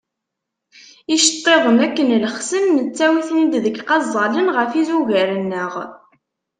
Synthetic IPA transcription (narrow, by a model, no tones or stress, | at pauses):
iʃə̥t̪ˤːeðˤənækːənləχsəmːət͡sːæwiθnid̪ðəɡqɑzˤːɑlənʁəfizuʝæɾənːəʁ